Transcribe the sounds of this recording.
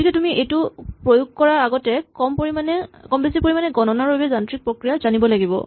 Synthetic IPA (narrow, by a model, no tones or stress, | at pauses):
tʰikɛtumiʔejtʊpɹojʊɡ̚kɔɹaaɡɔtɛkɔmpoimanɛkɔmbesipoɹimanɛɡɔnɔnaɹojbɛzantɹik̚pɹokɹijazanibɔlaɡibɔ̰